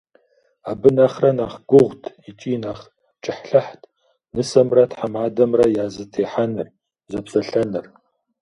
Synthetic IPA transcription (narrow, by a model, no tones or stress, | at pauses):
aːbɨnɐχrɐnaːχɡ̥ʷʊʁʷtʰit͡ʃʼiːnaːχ | t͡ʃʼɪħɬɐħtʰʼ | nɨsɐmrɐtħamaːdɐmrɐjaːzɨtʰeːħanɨr | zɐpsɐɬɐnɨr